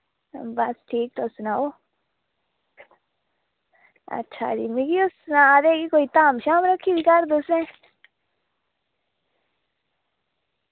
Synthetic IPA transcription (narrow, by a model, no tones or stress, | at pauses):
basʈʰiːk̚t̪osnao | a̰tːt͡ʃʰa̰d̪imiɡiosnãd̪eɡikoit̪amʃamɾakʰid̪ikaɾd̪usnẽ